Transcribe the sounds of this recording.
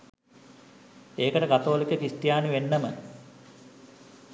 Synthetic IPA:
eːkəʈəkat̪oːlikəkist̪jaːniʋenːəmə̰

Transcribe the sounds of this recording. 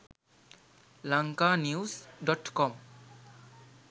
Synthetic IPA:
laŋkanjusɖɔʈkɔm

